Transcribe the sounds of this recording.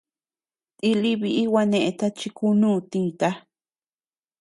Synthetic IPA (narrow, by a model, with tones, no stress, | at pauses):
t̪i˧li˦βi˧ʔi˦wa˧nẽ˧ʔẽ˧t̪a˦t͡ʃi˧ku˦nũː˦˨˧t̪ĩː˦˧˨t̪a˦